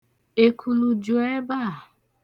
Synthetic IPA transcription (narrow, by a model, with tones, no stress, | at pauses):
e˨kʰu˨lu˨d͡ʒʊ˨˦e˦ba˦˨